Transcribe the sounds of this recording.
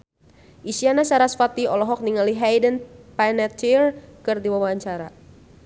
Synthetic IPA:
ʔisianasaɾasfat̪iɔlɔɦɔk̚niŋaliɦajdənpanɛt̪t͡ʃirkɨrdiwawaaɲt͡ʃaɾa

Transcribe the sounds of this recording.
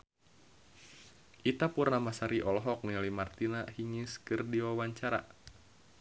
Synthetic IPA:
ʔit̪apurnamasaɾiʔɔlɦɔk̚nilimart̪inahiŋɪskɨrdiwawaɲt͡ʃaɾa̰

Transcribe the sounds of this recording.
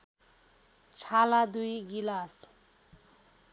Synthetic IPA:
t͡sʰalad̪ujɡilas

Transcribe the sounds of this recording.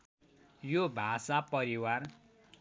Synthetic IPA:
jobʱasapʌɾiwar

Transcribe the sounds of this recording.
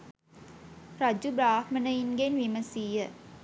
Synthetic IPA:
ɾad͡ʒubɾaːhmənəinɡenʋiməsiːjə

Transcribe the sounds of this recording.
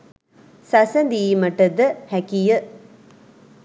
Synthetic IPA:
sasənd̪iːməʈəd̪əhækijə

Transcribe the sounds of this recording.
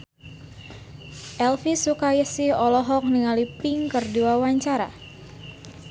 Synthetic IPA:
ʔɛlfisukajəsiɔlɔɦɔk̚niŋalipɪŋkərduwawaɲt͡ʃaɾa̰

